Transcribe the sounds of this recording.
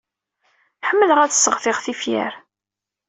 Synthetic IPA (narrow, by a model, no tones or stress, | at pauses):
ħəmːələʁæt͡sːə̥sːəʁθɪʁθifjæ̰ɾ